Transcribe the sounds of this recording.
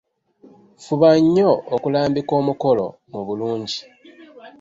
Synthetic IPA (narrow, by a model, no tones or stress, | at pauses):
fuβaɲːo̞ʔokulaːmbiko̞ːmuko̞lo̞̰ | muβuluːɲɟi̥